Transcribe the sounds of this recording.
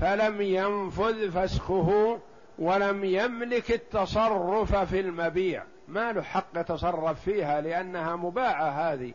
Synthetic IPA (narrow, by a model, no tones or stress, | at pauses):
falamjanfʊðfasxʊɦʊ | walamjamlɪkɪt̪ːɑsˤɑrːʊffilmabiːʕ | malʊħɑqːjɑt̪ɑsˤɑrˤːɑfːiːhalɪʔanːahamʊbaːʕaɦaːði